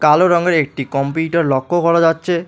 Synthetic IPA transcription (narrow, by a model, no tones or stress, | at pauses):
kaloɾɔŋɡeɾek̚ʈikɔmpuʈaɾlɔkʰːokʰɔɽad͡ʑatːɕʰe